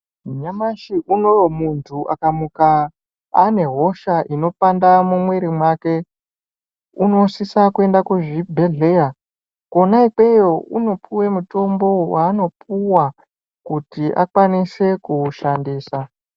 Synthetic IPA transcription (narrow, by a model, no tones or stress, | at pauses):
ɲamaʃiʔuno̞romuntʰuʔa̰kamukaː | ne̞ɦo̞ʃaʔino̞pandamumweɾimwake̞ | uno̞sisakue̞ndakuʐibʱe̞ɮe̞ja | ko̞naike̞jo̞uno̞pʰuwe̞muto̞mbo̞waːno̞puwa | kutiʔa̰kwanise̞kuʃandiːsa